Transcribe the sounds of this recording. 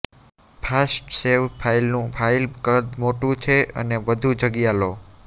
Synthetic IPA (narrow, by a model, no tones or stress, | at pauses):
pʰasʈseʋpʰailnũpʰailkəɾd̪moʈũt͡ʃʰeə̰neʋəd̪ʱud͡ʒəɡjalo